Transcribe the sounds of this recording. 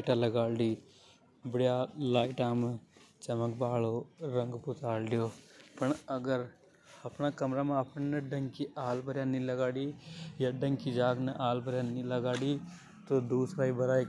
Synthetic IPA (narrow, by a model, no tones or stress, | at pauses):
ʈalɐɡaːlɖiː | bəɽjalaːɪʈamt͡ʃɐməkbaːloɾə̃ŋɡpʊt̪aːɽɖijoːpɐɳɐɡəɾ | ɐpnakɐmɾamãɐpənːeɖɐ̃ŋɡkiaːlbəɾjanilɐɡaːɽiːjaɖɐŋɡkid͡ʒaːɡneʔaːlbəɾjanilɐɡaːɽiː | t̪od̪uːsɾaːibɐɾaːi